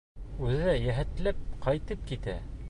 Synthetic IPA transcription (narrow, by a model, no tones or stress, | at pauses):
ʉðæjæɦɘ̆t̪læp̚qɑjt̪ɤp̚kit̪æ